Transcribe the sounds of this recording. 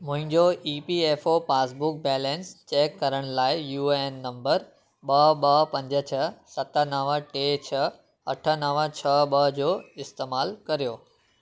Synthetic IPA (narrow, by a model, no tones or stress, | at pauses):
mʊ̃ɦɪ̃ɲd͡ʑoʔiːpieːfopaːsbʊk̚bɛːlẽnst͡ɕeːkːɐɾəɽ̃laːɪjuːeːnːɐ̃mbəɾ | ɓɐɦɓɐɦpɐ̃ɲd͡ʑət͡ɕʰɐsɐt̪ənɐʋʈeːt͡ɕʰɐ | ɐʈʰə̆nɐʋət͡ɕʰɐɓəɦd͡ʑoːɪst̪eːmaːlkɐɾijoː